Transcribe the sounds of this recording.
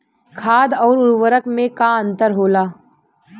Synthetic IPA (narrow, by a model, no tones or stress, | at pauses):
kʰaːd̪ɔːɾʊɾwəɾəkmẽkaə̃nt̪əɾɦoːlaː